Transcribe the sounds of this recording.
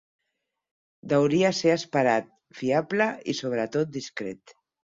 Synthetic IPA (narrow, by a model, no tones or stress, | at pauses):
d̪awɾiaseaspaɾat̪̚ | fiabləisoβ̞ɾət̪ot̪̚d̪iskɾḛt̪